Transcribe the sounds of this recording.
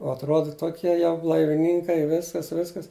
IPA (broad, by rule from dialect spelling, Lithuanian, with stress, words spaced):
oː ɐtˈroːdɐ ˈtoːkʲiɛ jɛʊ blˠɐɪʋʲɪˈnʲiːŋkɐɪ ˈʋʲɪskɐs ˈʋʲɪskɐs